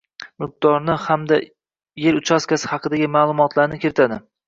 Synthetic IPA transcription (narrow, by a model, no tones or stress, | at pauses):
mɪq̚d̪̥ɒɾnɪhamd̪a | jeɾʊt͡ʃʰaskʲasɪ̥hɑqʰɨd̪aɡʲɪmaːlˠʊmɒt̪ʰlaɾnɪkʲʰɪɾɪt̪ʰad̪ɪ